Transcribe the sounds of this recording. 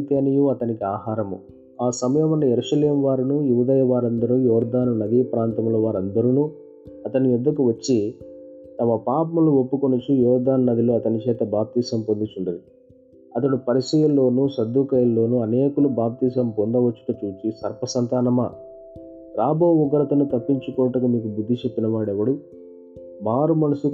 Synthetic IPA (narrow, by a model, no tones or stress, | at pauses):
it̪eːnijuɐt̪ɐnikiaːɦaːɾɐmṵ | aːsɐmɐjɐmɐnːɐjeɾuʃɐleːmʋaːɾunujuːd̪ɐjɐʋaːɾɐnd̪ɐɾujɔːɾd̪aːnunɐd̪iːpɾaːnt̪ɐmloːʋaːɾɐnd̪ɐɾunuː | ɐt̪ɐnijud̪ːɐkuʋɐt͡ʃːi | t̪ɐmɐpaːpɐmuluopːukonut͡ʃujɔːɾd̪aːnnɐd̪iloɐt̪ɐnit͡ʃɛːt̪ɐbaːp̚t̪iːsɐmpond̪it͡ʃuɳɖud̪i | ɐt̪̬ɐɽupɐɾisɐjɐlːo̞ːnusɐd̪ːukɐjɐlːo̞ːnuɐneːkulubaːp̚t̪iːsɐmpond̪ɐʋɐt͡ʃːu̥k̪ut͡ʃuːt͡ʃisɐɾpɐsɐnt̪aːnɐmɐ | ɾaːbʱoːuɡɐɾɐt̪ɐnut̪ɐpːiɲt͡ʃukɔːʈɐkɐmiːkubud̪ʱːit͡ʃe̞pːinɐʋaːɽɛʋɐɽu | maːɾumɐnɐsu